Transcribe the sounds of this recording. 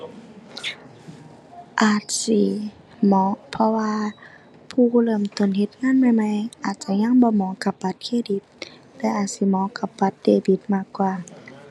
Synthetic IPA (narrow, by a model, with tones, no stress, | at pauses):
ʔaː˨˩t̪̚si˧˦ | mɔː˨˦pʰɔ˧waː˧ | pʰuː˧˩˧lɤː˧˩˨mt̪o˧˨nhe˧˦t̪̚ŋaː˧˥˨nma˧˨jma˧˨jʔaː˨˩t̪̚t͡ɕa˧ɲa˧˥˨ŋbɔː˧˦mɔː˨˦ka˧˦p̚ba˧˦t̪̚kʰeː˧˨di˧˦t̪̚ | lɛː˧˦ʔaː˨˩t̪̚si˧˦mɔː˨˦ka˧˦p̚ba˧˦t̪̚deː˧˨bi˧˦t̪̚maː˧˩kːwaː˧˩˨